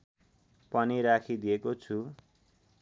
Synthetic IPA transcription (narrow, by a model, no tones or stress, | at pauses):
pʌniɾakʰid̪ijekot͡sʰu